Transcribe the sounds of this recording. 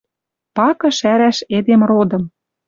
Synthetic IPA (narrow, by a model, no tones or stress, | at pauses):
pɑkɤ̆ʃæɾæʃed̪emrod̪ɤ̆m